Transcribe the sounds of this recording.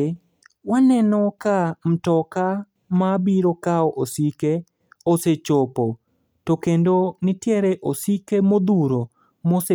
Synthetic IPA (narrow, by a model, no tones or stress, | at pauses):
wanɛnɔkam̩tɔka | mabiɾokaɔʔosike | oset͡ʃopo | tokendonɪtjɛɾɛʔosikemod̪uɾo | mose